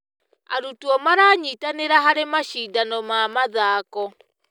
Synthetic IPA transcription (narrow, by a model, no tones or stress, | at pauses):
a̰ɾutuɔmaɾaːɲitaneɾaɦaɾemaʃiːdanɔmamaðaːkɔ